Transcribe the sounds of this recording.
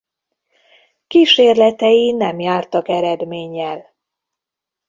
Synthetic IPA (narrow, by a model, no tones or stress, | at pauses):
kiʃeːrlɛt̪ɛjinɛmjaːrt̪ɒkɛɾɛd̪meːɲːɛl